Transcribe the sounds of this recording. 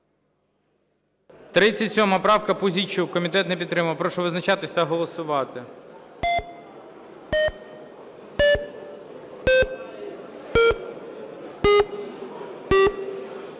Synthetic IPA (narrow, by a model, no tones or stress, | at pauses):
t̪ɾɪt͡sʲːɐtʲsʲɔmɐpɾɑwkɐpʊzʲit͡ʃʊwkɔmʲit̪ɛt̪nɛpʲid̪t̪ːɾɪmɐʋɐpɾɔʃɔʋɪznɐt͡ʃɑt̪ɪsʲt̪ɐɦɔlˠɔsʊʋɑt̪ɪ